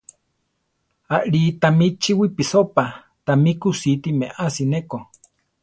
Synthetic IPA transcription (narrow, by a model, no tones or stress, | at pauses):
aʔɺit̪amit͡ʃiwipisopa | t̪amikusit̪imeʔasineko